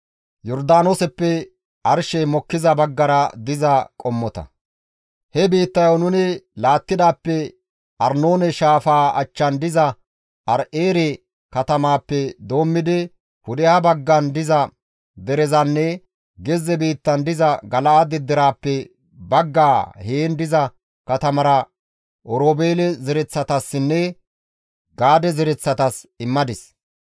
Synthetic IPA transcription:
jɔɾd̪aːnosɛpːɛ | ʔɐɾʃɛmɔkːɪzɐbɐɡːɐɾɐd̪ɪzɐkʼɔmːɔt̪ɐ̰ | hɛbiːt̪ːɐjonʊnɪlaːt̪ːɪd̪aːpːɛ | ʔɐɾnoːnɛʃaːfaːɐ̰t͡ʃːɐnd̪ɪzɐ | ʔɐɾʔeːɾɛ | kɐt̪ɐmaːpːɛd̪o̞ːmːɪd̪ɪ | kʊd̪ɛhɐbɐɡːɐnd̪ɪzɐ | d̪ɛɾɛzɐnːɛ | ɡɛzːɛbiːt̪ːɐnd̪ɪzɐɡɐlɐʔɐd̪ɛd̪ːɛɾaːpːɛ | bɐɡːaːheːnd̪ɪzɐ | kɐt̪ɐmɐɾɐ | ʔɔɾoːbeːlɛzɪɾɛt͡sːɐt̪ɐsːɪnːɛ | ɡaːd̪ɛzɛɾɛt͡sːɐt̪ɐsɪmːɐd̪ɪs

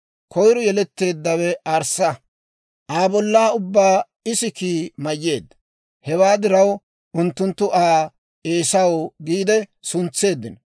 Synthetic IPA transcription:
kʰɔjɾɔjɛlɛt̪ːe̞ːd̪ːɐwɛʔɐɾsɐ | ʔaːbɔlːaːʊbːaː | ɪsɪkiːmɐjːe̞ːd̪ːɐ̥ | hɛwaːd̪ɪɾɐw | ʔʊnt̪ːʊnt̪ːʊʔaː | ʔeːsɐwɡiːd̪ɛsʊnt͡sːe̞ːd̪ːɪn

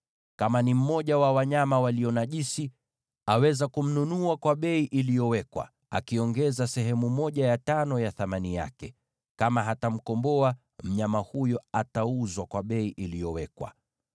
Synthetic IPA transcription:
kamanim̩mɔʄawawaɲamawaliɔnaʄisi | awɛzakum̩nunuakwaɓɛiʔilijɔwɛkwa̰ | a̰kiɔŋɡɛzasɛɦɛmumɔʄajatanɔjaθamanija̰kɛ | kamaɦatam̩kɔmbɔa | m̩ɲamahujɔatauzwakwaɓɛiʔilijɔwɛkwa̰

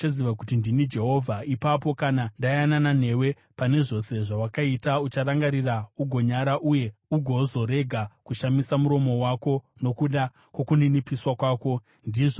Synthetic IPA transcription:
t͡ʃaziʋakutindinid͡ʒe̞ɦo̞vʱaipapo̞kanandajananan̤e̞we̞ | pane̞ʐo̞se̞ʐawakaitaut͡ʃaɾaŋɡaɾirauɡʱo̞ɲaɾaʔuje̞uɡʱo̞zo̞ɾe̞ɡʱakuʃamisamuɾo̞mo̞wako̞ | no̞kuɗa | kwo̞kuninipiswakwaːko̞ | ndiʐo

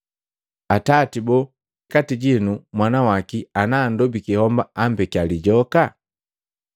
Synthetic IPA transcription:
atatibɔ | katiɟinumwanawakianaːndɔbikihɔmbaam̩bɛkialiɟɔka

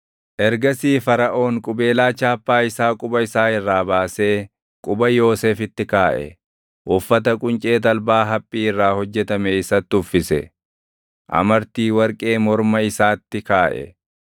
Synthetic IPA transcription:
ʔɛɾɡɐsiːfɐɾɐʔo̞ːŋkʼʊbe̞ːlaːt͡ʃaːpːaːɪsaːkʼʊbɐɪsaːhɪrːaːbaːse̞ː | kʼʊbɐjo̞ːse̞ːfɪt̪ːɪkaːʔɛ̰ | ʔʊfːɐt̪ɐkʼʊnt͡ʃʼe̞ːt̪̬ɐlbaːɦɐpʼːiːɪrːaːhɔd͡ʒːɛt̪ɐmeːɪsɐt̪ːʊfːɪsɛ̰ | ʔɐ̰mɐɾt̪iːwɐɾkʼe̞ːmɔɾmɐɪsaːt̪ːɪkaːʔɛ̰

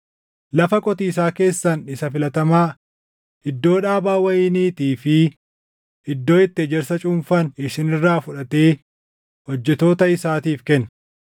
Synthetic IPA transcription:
lɐfɐkʼɔt̪iːs̬aːke̞ːsːɐnɪsɐfɪlɐt̪ɐmaː | ɪd̪ːo̞ːᶑaːbaːwɐjiːniːt̪iːfɪ | ɪd̪ːo̞ːɪt̪ːɪɛd͡ʒɛɾsɐt͡ʃʼʊmfɐnɪʃɪnɪrːaːfʊᶑɐt̪e̞ː | hɔd͡ʒːɛt̪o̞ːt̪ɐɪsaːt̪iːfkɛn

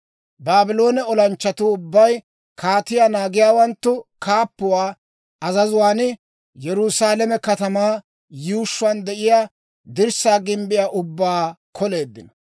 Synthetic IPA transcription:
baːbɪlo̞ːnɛɔlɐnt͡ʃːɐt̪ʊːbːɐj | kʰaːt̪ɪjaːnaːɡɪjaːwɐnt̪ːʊkaːpːʊwaː | ɐzɐzʊwaːnɪ | jɛɾʊsaːlɛmɛkɐt̪ɐmaː | juːʃːʊand̪ɛʔɪjaː | d̪ɪɾsaːɡɪmbɪjaːʔʊbːaːkʰɔle̞ːd̪ːɪnɐ

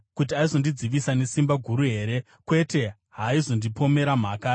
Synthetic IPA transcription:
kut̬iaizo̞ndid͡ziʋisane̞simbaɡʱuɾuɦe̞ːɾe̞ | kwe̞te̞ | ɦaizo̞ndipo̞me̞ɾam̤akaː

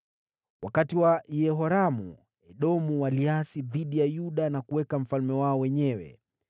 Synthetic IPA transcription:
wakatiwaʔiɛɦɔɾamṵ | ɛɗɔmuwaliasiðiɗijajuɗanakuwɛkam̩falmɛwaɔwɛɲɛwɛ̰

